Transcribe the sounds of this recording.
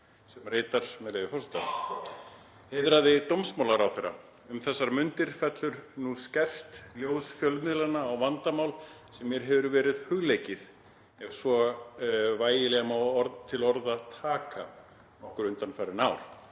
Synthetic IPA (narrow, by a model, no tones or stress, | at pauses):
sɛmɾreːt̪aɾ̥mɛlɛːvɪfɔwst̪a̰ | hɪðɾaðɪt̪owmsmawlaɾawθɛjɾːa̰ | ʏmθɛsːaɾmʏnt̪ɪɾ̥fɛt̪lʏɾnuscɛr̥t̪ljoːwsfjœlmɪðlanaːwvant̪amaːwlsɛmːjɛɾ̥ɦɛvɾʏɾvɛːɾɪðhʏɣlejcɪð | ɛv̥svɔ | vaːjɪlɛɣamaɔɾðt̪ʰɪlɔɾðaðt̪ʰaːka̰ | nɔhkɾʏnt̪anfaɾːɪnaːwɾ̥